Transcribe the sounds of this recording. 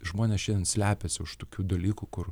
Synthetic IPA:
ʒmoːnʲɛsʃʲɛnd̪ʲɛnsʲlʲæːpʲɛsʲɪʊʃt̪oːkʲuːd̪ɐlʲiːkukʊr

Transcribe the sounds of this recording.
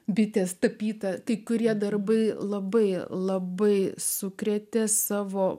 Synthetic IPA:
bʲɪt̪ʲeːst̪ɐpʲiːt̪ɐkɐɪkʊɾʲiɛd̪ɐrbɐɪlˠɐbɐɪlˠɐbɐɪsʊkɾʲɛt̪ʲɛsɑːʋoː

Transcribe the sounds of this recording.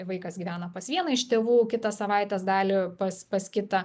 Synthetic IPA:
ʋɐɪkɐsɡʲiːʋʲæːnɐpɐsʋʲiɛnɐɪʃt̪ʲeːʋuːkʲɪt̪ɐssɐʋɑɪt̪ʲɛsd̪ɑːlʲɪpɐspɐskʲɪt̪ɐ

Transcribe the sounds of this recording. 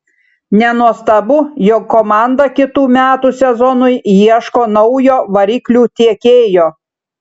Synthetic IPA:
nʲɛnuɔst̪ɐbʊːjɔkːomɑˑnd̪ɐkʲɪt̪uːmʲæːt̪uːsʲɛzɔnʊɪjiɛʃkoːnɒʊjoːʋɐɾʲiːklʲuːt̪ʲiɛkʲeːjoː

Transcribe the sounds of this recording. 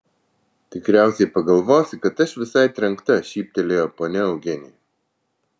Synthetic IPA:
t̪ʲɪkɾʲæˑʊsʲɛɪpɐɡɐlˠʋoːsʲɪkɐt̪ɐʃʋʲɪsɐˑɪt̪ʲɾʲɛŋˑkt̪ɐʃʲiːp̚ʲt̪ʲɛlʲeːjopoːnʲɛɐʊɡʲɛnʲɪ

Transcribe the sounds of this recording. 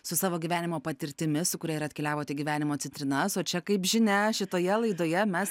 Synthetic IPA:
sʊsɑːʋoːɡʲiʋʲæːnʲɪmoːpɐt̪ʲɪɾʲt̪ʲɪmʲɪsʊkʊɾʲɛiɾɐt̪ʲkʲɛlʲæːʋoːt̪ʲɛɡʲiʋʲæːnʲɪmoːtt͡s̪ʲɛnt̪ʲɾʲɪnɐsoːt͡ʃʲɛkɐɪpʒʲɪnʲɛʃʲɪt̪oːjɛlˠɐɪd̪oːjɛmʲɛs

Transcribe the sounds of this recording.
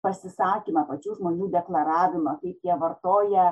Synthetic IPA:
pɐsʲɪsɑːkʲiːmɐpɐt͡ʃʲuːʒmoːnʲuːd̪ʲɛklˠɐɾɑːʋʲɪmɐkɐɪpjʲiɛʋɐrt̪oːjɛ

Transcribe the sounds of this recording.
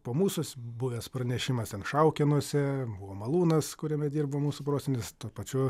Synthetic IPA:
poːmuːsʊsbʊʋʲɛspɾɐnʲɛʃʲɪmɐst̪ʲɛnʃɐʊkʲɪnuɔsʲɛbʊʋoːmɐlˠuːnɐskʊɾʲɛmʲɛd̪ʲiːrbɐʋoːmuːsʊpɾoːsʲenʲɪst̪uːpɐt͡ʃʲʊ

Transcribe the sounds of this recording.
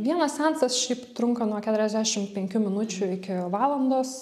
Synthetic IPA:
ʋʲiɛnɐssʲɛnt̪sɐsʃʲɛɪpt̪ɾʊŋkɐnuɔkʲæt̪ʊɾʲɛzʲd̪ʲæʃʲɪmpʲɛŋʲkʲuːmʲɪnʊt͡ʃʲʊɪkʲɪʋɑːlˠɐnd̪oːs

